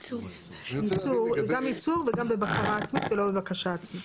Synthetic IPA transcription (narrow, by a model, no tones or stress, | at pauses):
t͡su | it͡suʁɡamit͡suʁveɡambebakaʁaːt͡smit̪velo̞bebakaʃaːt͡smit̪